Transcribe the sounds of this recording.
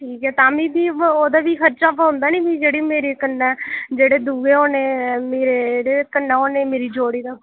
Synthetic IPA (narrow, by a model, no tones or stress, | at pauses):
ʈʰiːkɦɛːt̪aːmĩːd̪iːoːd̪aːʋiːkʰəɾt͡ʃaːpːɦʊ̃nd̪aːnĩːbiːd͡ʒeːɽiːmeːɾeːkənːɛːd͡ʒeːɽeːd̪uːɡeːoːneːmeːɾeːɽeːkənːaːoːneːmeːɾiːd͡ʒoːɽiːd̪aː